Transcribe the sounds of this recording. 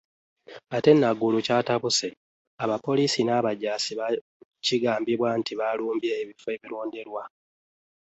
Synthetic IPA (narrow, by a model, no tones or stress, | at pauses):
ate̞nːaɡulucaːtaβuse | aβapo̞liːsinaːβaɟaːsiβa | ciɡaːmbiβwantʰiβaluːmbje̞ːβifoe̞βiɾo̞ːndeɾwa